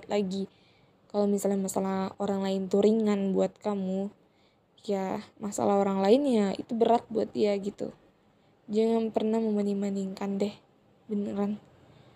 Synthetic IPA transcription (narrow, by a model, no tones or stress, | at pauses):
t̪laɡi | kalomisalɲamasalahoɾaŋlaɪnt̪uɾiŋanbuat̪̚kamu | jamasa̰laɦoɾaŋlaɪnjaḭt̪ubəɾat̪̚buat̪̚diaɡit̪ṵ | d͡ʒaŋanpərnahməmanimaniŋkandɛh | bənəɾan